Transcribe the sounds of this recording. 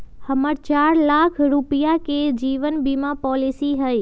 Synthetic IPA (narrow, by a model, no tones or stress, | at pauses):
həməɾt͡ʃaɾlakʰɾupijaked͡ʒiʋənbimãpɔlisiɦəj